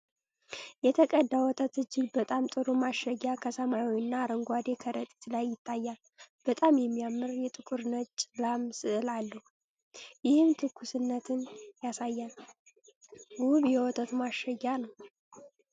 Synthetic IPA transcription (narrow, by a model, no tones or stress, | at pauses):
jɛt̪ʰəkʼəd̪ːawɔt̪ʼət̪ɨd͡ʒːɪɡbət̪ʼamt̪ʼɨɾumaʃəjːakʰəsəmajawiɨnːaːɾəŋɡʷad̪e̞kʰəɾət̪ʼi̥t̪ʰlajːɪt̪ʰːajːal | b̥ət̪ʼamjɛmːijamːɨɾjɛt̪ʼɨkʼuɾnət̪t͡ʃʼɨlamsɨʔɨlalːəhu | jɪhɨmt̪ʰɨkʰːusɨnːət̪ʰɨnjasajːal | ɡuβjɛwɔt̪ʼət̪umaʃəjːanəw